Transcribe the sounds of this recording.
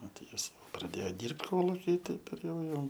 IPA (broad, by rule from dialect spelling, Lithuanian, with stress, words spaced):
ˈnʊ tɐɪ ˈjɪs prɐˈdʲeːjoː ˈdʲiːrpt ˈkoːlˠʊkʲiː ˈtɐɪp ɪr ˈjɛʊ ˈjɛʊ